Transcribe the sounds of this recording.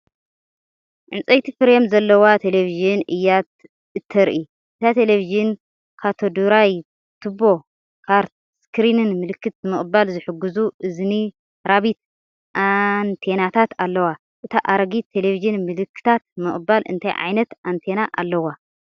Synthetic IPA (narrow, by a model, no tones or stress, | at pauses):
ʕɨ̰nt͡sʼɐjt̪ʰifɨɾemzɐlːɐwat̪ʰe̞leviʒɨnʔɨjːat̪̚ | ɨt̪ʰːɐɾʔi | ʔɨt̪ʰat̪ʰeleviʒɨn | kʰat̪ʰod̪uɾaj | t̪ʰɨbo̞ | kʰaɾt̪̚ | skʰɾinɨnmɨlɨkːɨt̪zɨmɨχʼɨbalzɨħɨɡːuzuʔɨzni | ɾaβit̪̚ | ʔant̪ʰe̞nat̪ʰat̪alːɐwa | ʔɨt̪ʰaʔaɾɡit̪ʰe̞leviʒɨnmɨlɨkːɨ̥t̪ʰat̪̚mɨχʼɨbalʔɨ̰nt̪ʰajʕa̰jnɐt̪ʔant̪ʰenaʔa̰lːɐwa